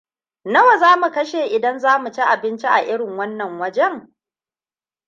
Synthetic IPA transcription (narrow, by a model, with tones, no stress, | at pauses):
nɐ˦wa˨zaː˦mu˨kɐ˦ʃeː˨ʔɪ˨dɐ˦nzaː˦mu˨t͡ʃi˦ʔa˨bɪ˦nt͡ʃi˦ʔa˨ʔɪ˦ɽɪ˨ŋwɐ˦nːɐ˨ŋwɐ˦d͡ʒɛ˦ŋ